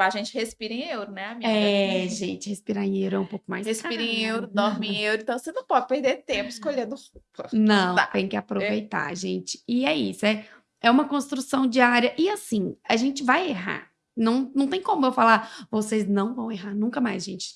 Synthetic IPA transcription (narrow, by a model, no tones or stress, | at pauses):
aʒẽnt͡ʃɪhespiɾẽewɾʊnɛamiɛʒẽt͡ʃɪhespiɾaẽewɾʊɛũpowkʊma̰jsesiɾɐẽewɾʊd̪oɾmĩewɾʊẽt̪ɐ̃w̃senɐ̃w̃pɔd͡ʒɪpeɾd̪eɾt̪ẽmpʊɪ̥skoʎẽnd̪ʊhupɐnɐ̃w̃t̪ẽj̃kɪapɾovejt̪a̰ʒḛ̃t͡ʃɪ̥ɪɛisʊɛ | ɛũmɐkõst̪ɾusɐ̃w̃d͡ʒiaɾjɐʔɪasĩaʒẽnt͡ʃɪvajeɦa̰ɾ | nɐ̃w̃nɐ̃w̃t̪ẽj̃kõmʊewfalaɾvoseznɐ̃w̃vɐ̃w̃eɦaɾnũkɐmajzʒẽnt͡ʃɪ̥